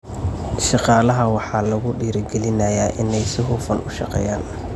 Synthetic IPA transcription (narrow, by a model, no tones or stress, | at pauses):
ʃɑqɑːlɐɦɐwɑħɑːlɐɣʊɖiːɾɪɡɛlɪnɐjaːʔɪnɛjsɪɦuːfɐnʊʃɑ̰qɛ̰ːjaːn